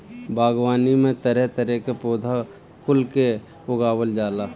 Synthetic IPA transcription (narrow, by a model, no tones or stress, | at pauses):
bʱaːɡwaːnimẽt̪əɾɛɦt̪əɾɛkepoːd̪ʱa | kʊlke | ʊɡaːwəld͡ʒaːlaː